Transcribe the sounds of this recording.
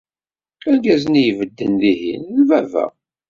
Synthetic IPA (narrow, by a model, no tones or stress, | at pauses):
æɡæznijvəd̪ːənðihḭnlvævæ̰